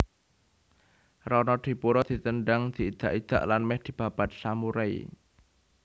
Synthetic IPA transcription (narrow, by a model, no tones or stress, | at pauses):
rɔnɔd̪̥i̤puɾɔd̪̥i̤t̪ənɖaŋd̪̥i̤id̪̥a̤ʔid̪̥a̤ʔlanmɛhd̪̥i̤b̥a̤b̥at̪̚samuɾai